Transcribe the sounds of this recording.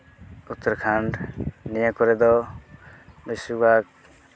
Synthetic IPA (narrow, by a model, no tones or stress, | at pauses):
ut̪ːɔɾkʰaɳɖnijakɔɾɛd̪ɔ | bisubʱak̚